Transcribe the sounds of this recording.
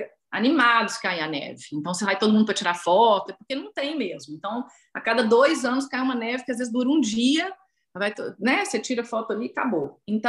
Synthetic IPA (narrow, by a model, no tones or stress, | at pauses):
a̰nimad̪ʊskaẽanɛ̰vɪẽnt̪ɐ̃w̃sevajt̪od̪ʊmũd̪ʊpɾɐt͡ʃiɾafɔt̪ʊɛpoɾkenɐ̃w̃t̪ẽj̃mezmʊẽnt̪ɐ̃w̃ | akad̪ɐd̪ojzɐ̃nʊskaj̃ũmɐnɛvɪkɪazvezɪzd̪uɾũd͡ʒiɐ | vajt̪onɛset͡ʃiɾɐfɔt̪ʊɐlika̰boẽnt̪ɐ̃